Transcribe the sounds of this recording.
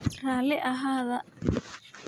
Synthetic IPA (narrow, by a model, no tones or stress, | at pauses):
raːlɪʔɐɦaːðɐ